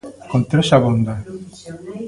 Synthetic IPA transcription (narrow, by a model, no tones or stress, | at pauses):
kont̪ɾeʃaβond̪a